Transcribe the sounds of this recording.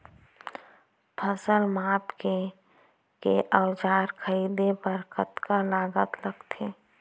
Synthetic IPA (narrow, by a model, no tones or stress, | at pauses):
pʰəsəlmaːpke | keʔəwd͡ʒaːɾkʰəiːd̪ebəɾkət̪kalaːɡət̪ləɡt̪ʰeː